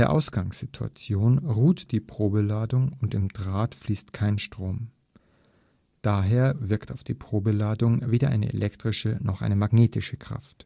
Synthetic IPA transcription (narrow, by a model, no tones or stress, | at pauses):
eːɐʔa̰ʊsɡ̥aŋsz̥ɪtʰua̰t͡sjoːnʁuːtd̥iːpʁ̥oːbəlaːdʊŋʊntɪmd̥ʁaːtfliːstkʰaɪnʃtʁ̥oːm | d̥aːɦeːɐvɪɐktaʊfd̥iːpʁ̥oːbəlaːdʊŋveːdɐʔa̰ɪnə̰ʔḛlʔɛktʁ̥ɪʃənɔχʔa̰ɪnəmaɡneːtʰɪʃəkʁ̥a̰ft